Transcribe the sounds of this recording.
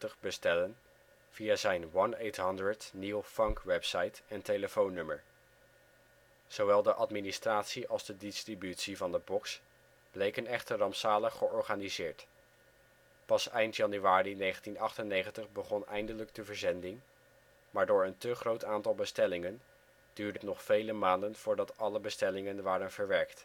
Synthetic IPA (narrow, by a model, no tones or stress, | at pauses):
təχbəstɛlən | v̥iazɛjnʋɑnejtɦɑndɹəɹtnilˠfɑŋkʋɛpsɑjtɛntejləfownːɵməɹ | z̥owʋɛlˠdəʔɑtministraːtsiʔɑlˠzdədɪstribytsivɑndəbɔks | b̥lejkənɛχtərɑmpsaːləχəɔɹχaːnizɪːɹt | pɑsɛjntjɑnyʋaːrinejχəntinɑχtənejχəntəχbəχɔnɛ̰jndələɡdəvəɹzɛndɪŋ | maːɹdʊːɹəntəχrowtaːntɑlˠbəstɛlɪŋən | d̥yːɹdətnɔχfejləmaːndənv̥ʊːɹdɑtɑləbəstɛlɪŋənʋaːɾənvəɹʋɛɹkt